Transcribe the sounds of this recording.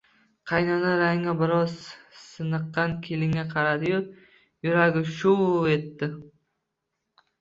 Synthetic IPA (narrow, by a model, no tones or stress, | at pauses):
qʰɑjnɒnaɾaŋabɪɾɒz̥sɨnɨq̪ːɑnkʲʰelɪŋʲaqʰɑɾad̪ɪjʊ | jʊɾaɡʲɪʃʊe̞t̪ːɪ